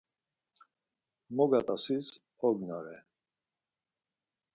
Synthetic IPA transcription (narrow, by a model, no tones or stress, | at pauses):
mɔɡat̪ʼasis | ɔɡnaɾɛ